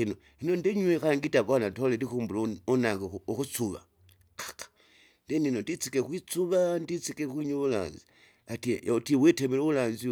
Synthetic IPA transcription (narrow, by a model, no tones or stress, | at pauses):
ino | hinondeɲwexaŋɡitaβanatolelikuːmbuloonaŋɡooxut͡suβa̰ | kḁkḁ | ndeninondit͡sikexwit͡suβandit͡sikekwiɲuβula̰ːnzi | atitiwetemeloβulaːnzi